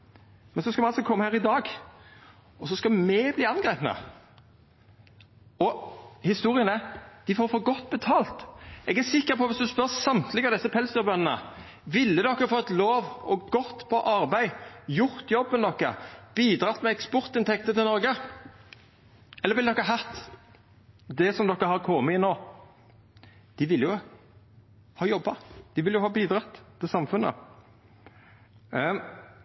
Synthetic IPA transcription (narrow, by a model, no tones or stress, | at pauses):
mɛnsɔskɑmɛɑlsɔkʰɔmːəhæːɾɪd̪ɑːɡ | ɔsɔskɑmɛbliːɑnɡɾeːpnə̰ | ɔhɪst̪uːʁɪənəd̪̥ɪfoːɾfɔːɡɔt̪ːbɛt̪ʰɑːlt̪ɛɡæsɪkːəpʰɔʋɪsd̪ʉspœɾsɑmt̪lɪɡɑd̪ɛsːəpʰɛlsd̪ʉːɾbœnnə̰ | ʋɪlːəd̪ɔkːəfoːɛt̪loːʋɔɡɔt̪ːpʰɔʔɑɾbæɪjʊɾt̪jɔbːənd̪ɔkːəb̥iːd̪ɾʁɑt̪ːmɛɛkspɔɾt̪ɪnt̪ʰɛkt̪ət̪ɪlɔɾɡə | ɛləɾʋɪld̪ɔkːɑɦɑt̪ː | d̪ɛsɔmd̪ɔkːəhɑɾkʰɔmːəɪnoː | d̪̥ɪʋɪlːjʊ | hɑːjɔbːɑd̪̥ɪʋɪljʊhɑːbiːd̪ɾɑt̪ːt̪ːɪsɑmfʉnːə̰